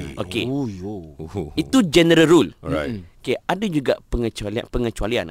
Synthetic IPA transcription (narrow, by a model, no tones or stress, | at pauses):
ʔoke | it̪ud͡ʒɛnəɾəɾula̰okeadad͡ʒuɡa̰ʔpəŋət͡ʃualia̰pəŋət͡ʃualian